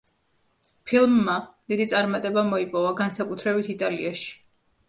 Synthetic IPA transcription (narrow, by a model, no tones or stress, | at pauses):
pʰilˠmːad̪̥id̪it̪sʼaɾmat̪ʼɛbamɔipʼɔvaɡansakʼut̪ʰɾɛbit̪ʰit̪ʼalḭaʃi̥